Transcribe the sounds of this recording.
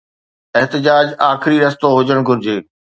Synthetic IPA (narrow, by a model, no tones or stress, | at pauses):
eɦt̪ɪd͡ʑaːd͡ʑaːxɪɾiɾɐst̪oɦʊd͡ʑəɽ̃ɡʱʊɾɪd͡ʑeː